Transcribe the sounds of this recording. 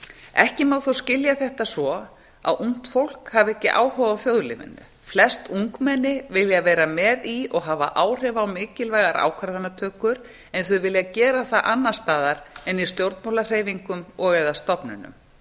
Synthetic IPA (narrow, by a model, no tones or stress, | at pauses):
ɛhcɪmaːwθowscɪljaθɛht̪asɔ | a̰wʔuŋ̥t̪fowl̥khavɛhcɪʔa̰ːwhɔwvawθjoːwðlɪ̰mɪ̰nːʏ̰ | flɛst̪uŋkmɛnːɪvɪljavɛːɾamɛːðiɔɣɦaːva̰ʔaːwr̥ɛvawmɪːcɪlvaːjɣaɾʔa̰ːwkʰvaɾðanːat̪ʰœːkʏɾ | ɛnθʏvɪljacɛːɾaθaʔanːast̪aːðaɾɛnist̪jowɾt̪mɔːlar̥eːjviŋkʏmɔɣɛðast̪ɔpnʏ̰nʏ̰m